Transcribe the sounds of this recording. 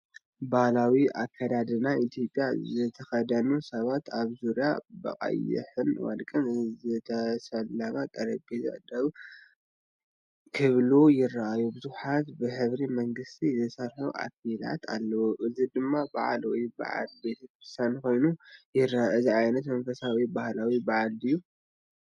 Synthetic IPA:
bahlawiʔakʰːad̪ad̪ɨnait̪ʰjo̞pʼjazɨt̪ʰɐxɐd̪ɐnusɐβat̪aβzuɾijabɐ̰χʼɐ̰jɪ̰ħɨnwa̰d̪kʼɐnzɨt̪ʰɐsɐlːaɡat̪ʼɐɾɐbezɐ̰d̪ɐβ | kʰɨβlujɪrːaʔajubɨzuħat̪bɨħɨβɾimɐŋɡɨst̪ʰizɐsɐɾħuʔa̰fila̰t̪ʰa̰lːɐwuʔɨzid̪ɨmːaba̰ʕa̰lwɔjba̰ʕa̰lbe̞t̪ʰɐkɾɨst̪ʰanko̞jnujɪɾaʔɨziʕajnɐt̪mɐnfɐsawibahlawibaʕalɨjːu

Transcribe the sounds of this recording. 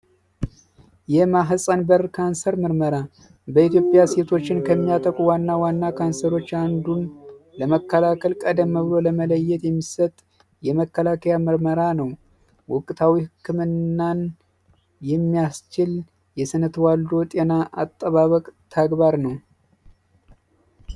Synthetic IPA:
jɛmaɦsʼanbəɾkʰansəɾmɨɾməɾa | bəit̪jo̞pʼjase̞t̪ʰo̞t͡ʃːɪnkʰəmːijat̪ʼəkʼuwanːawanːakʰansəɾo̞t͡ʃːand̪unləməkːəlakʰəlkʼəd̪əmːəβɨlo̞ləmələjːɛt̪jɛmːisət̪ʼ | jɛməkːəlakʰəjamɨɾməɾanəw | wʊkʼːt̪ʰawihɨkʰːɨmɨnːan | jɛmːijast͡ʃɪl | jɛsɨnət̪ʰwald̪o̞t̪ʼenaʔa̰t̪ʼːəβaβəkʼt̪ʰaɡbaɾnəw

